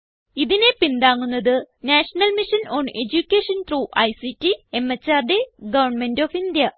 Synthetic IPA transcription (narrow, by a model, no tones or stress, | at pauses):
iðine̞pind̪aːŋːunːɐðɨnaːʂɐnɐlmiʂɐnoːɳed͡ʑukʲːeːʂɐnt̪ruːʔɐjsitːiemɐt͡ɕːaːrɖeɡɐʋɐrɳmendoːfind̪jɐ